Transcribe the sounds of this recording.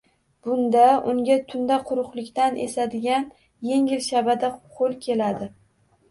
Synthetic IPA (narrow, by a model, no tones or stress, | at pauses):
b̥ʊnd̪aʔʊŋɡʲat̪ʰʊnd̪aqʰʊɾʊqlɪkʲt̪anʔḛsad̪ɪɡʲan | je̞ŋʲɪlʃabad̪aqʰolˠkʲʰe̞lad̪ɪ